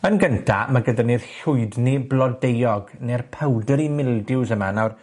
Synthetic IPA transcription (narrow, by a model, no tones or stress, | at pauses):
ənɡəntʰa̰maɡədanirɬʊɨdniblˠɔdejɔɡnerpʰəwdəɾimɪlˠdɪwsəmanawr